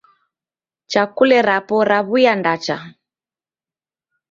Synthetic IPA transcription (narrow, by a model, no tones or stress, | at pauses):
t͡ʃakulɛɾapɔɾaβujandat͡ʃa